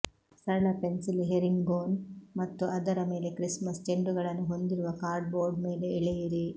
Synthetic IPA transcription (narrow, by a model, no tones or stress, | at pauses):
sɐɐɭɐpe̞nsilɦeɾiŋɡɡoːnmɐt̪ːuɐd̪ɐɾɐme̞ːle̞kɾismɐsd͡ʒeɳɖuɡɐɭɐnːuɦo̞nd̪iɾuʋɐkaːɾɖ̚boːɾɖme̞ːle̞iɭejiɾi